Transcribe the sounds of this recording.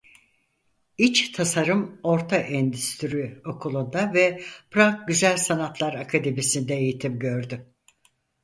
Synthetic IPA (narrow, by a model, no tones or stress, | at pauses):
it͡ʃt̪ʰasaɾɯmo̞ɾt̪ʰaʔɛnd̪yst̪ʰyɾyo̞kʰulˠund̪avɛpʰɾak̚ɟyzælʲsanat̪ʰlˠaɾakʰad̪e̞misind̪ɛejit̪ʰimɟø̞ɾd̪y